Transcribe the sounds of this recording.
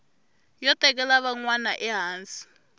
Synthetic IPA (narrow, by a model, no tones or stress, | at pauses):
jɔtʼɛk̬ʼɛlaβaŋwanaʔɛɦaːnsi̥